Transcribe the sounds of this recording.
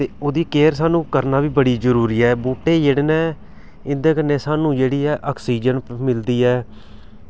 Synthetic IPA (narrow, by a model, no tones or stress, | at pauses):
t̪eːoːd̪iːkeːɾsaːnũːkəɾnaːʋiːbəɽiːzəɾuːɾiːɛːbuːʈeːjeːɽnɛː | ɪnd̪ẽːkənːeːsaːnũːd͡ʒeːɽiːɛːʔaːksiːd͡ʒənmɪld̪iːɛː